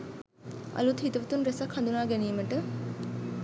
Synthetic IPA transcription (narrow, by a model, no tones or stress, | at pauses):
a̰lut̪ɦit̪əʋət̪unɾesakhand̪unaːɡɛniːməʈə